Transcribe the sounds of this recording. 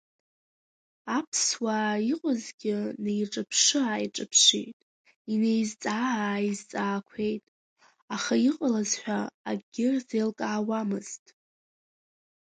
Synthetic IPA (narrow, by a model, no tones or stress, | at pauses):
apʰswaiqʼəzɡʲɪnejʈ͡ʂʼɨpʰʂɨaiʈ͡ʂʼɨpʰʂḭjtʼ | ine̞jzt͡sʼaːaizt͡sʼaːkʷʰe̞jtʼ | aχaiqʼalazħʷᶣaaɡʲɪrzejlkʼaːwamɨz̥tʼ